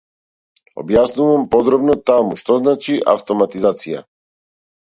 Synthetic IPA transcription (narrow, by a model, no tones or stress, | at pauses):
ɔ̰bjasnuvampɔd̪ɾɔbnɔt̪amuʃt̪ɔznat͡ʃiʔa̰ft̪ɔmat̪izat̪sija̰